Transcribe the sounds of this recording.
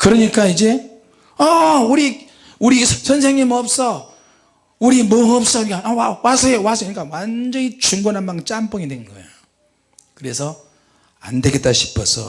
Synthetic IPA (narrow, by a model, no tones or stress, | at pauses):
kɯɾʌɲik͈aid͡ʑe̞ | ʌuɾi | uɾisʰʌns̬ʰeŋɲimʌp̚s͈ʌ | uɾimoʌp̚s͈ʌuɾiɡaawawasʰʌewas̬ʰʌuɲik͈awand͡ʑʌɲit͡ɕuŋɡonanmant͡ɕ͈amp͈ʌŋidwennɡʌḛo | kɯɾe̞sʰʌ | a̰nde̞ɡet͈aɕʰi̥pʰʌsʰʌ̰